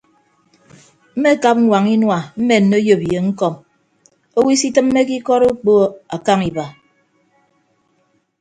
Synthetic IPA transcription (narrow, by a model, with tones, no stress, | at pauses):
m̩˦me˦ka˦p̚ŋ̩˦wʷa˨ŋi˦nwa˨m̩˦me˨n̩ː˨o˦jo˨pje˨ŋ̩˦kɔ˦˨m | o˦wi˦si˦tɨ˦m̩ː˦e˦ki˦kɔ˦ɾo˦k͡po˦˨a˨ka˦ŋi˨ba˨